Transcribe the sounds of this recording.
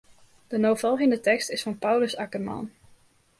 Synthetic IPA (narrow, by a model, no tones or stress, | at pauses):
d̥ənowvɔlˠχəndətɛkstɪsfɑnpʌwləsɑkərmɑ̰n